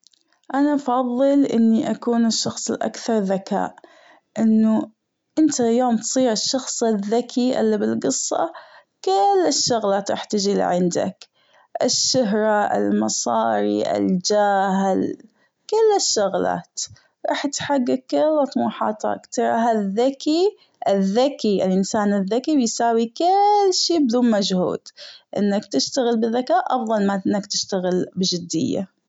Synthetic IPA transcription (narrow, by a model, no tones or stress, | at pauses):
ʔanafɑðˤːɨlʔɪnːiʔakuːnɪʃːɑxsˤɪlʔa̰kθɑɾˤðaka̰ːʔ | ʔɪnːu | ʔɪnt̪ajoːmt̪sˤiːɾɪʃːɑxsˤɪðːakʰiʔɪ̰lːibɪlɡɨsˤːɑ̰ | kɪlːɪʃːʊɣlaːt̪ɾˤɑ̰ːħt̪ɪd͡ʒil̰ʕɪnd̪a̰k | ʔɪʃːʊɦɾˤɑʔɪ̰lmɑsˤɑ̰ːɾḭʔɪ̰ld͡ʒaːɦɪl | kɪlːɪʃːʊɣla̰ːt̪ | ɾˤɑ̰ːħt̪ħaɡːakːɪlɑt̪ˤmuːħɑ̰ːt̪ɑ̰kt̪ɑɾˤɑɦaðːaki | ʔɪðːakiʔɪlʔɪnsaːnɪðːakibɪjsaːwikɪlːʃiːbɪd̪uːnmad͡ʒhṵːd̪̥ʔɪ̰nːakt̪ɪʃt̪aɣɪlbɪðːakaːʔʔɑfðˤɑlmaʔɪnːakt̪ɪʃt̪aɣɪlbɪd͡ʒɪd̪ːɪ̰jːa̰